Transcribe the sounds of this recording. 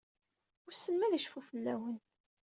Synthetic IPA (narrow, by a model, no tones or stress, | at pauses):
ʊɾsːənmæðəʃfufəlːæwənt̪